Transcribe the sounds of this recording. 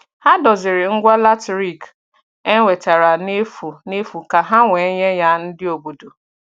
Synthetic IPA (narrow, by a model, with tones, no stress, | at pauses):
ha˦dɔ˨zɪ˨ɾɪ˨ŋ̩˦ɡʷa˦la˦tɾi˨k | e˦ŋʷe˨ta˨ɾa˨ne˦fu˨ne˦fu˨ka˨ɦa˦ŋʷe˨˦ɲe˦ja˦n̩˦dɪ˦o˨bo˨do˨